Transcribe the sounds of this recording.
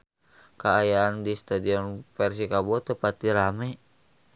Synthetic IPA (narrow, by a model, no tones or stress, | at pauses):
kaːjaːndist̪adiɔnfɛrs̬ikabɔt̪əpat̪iɾamɛ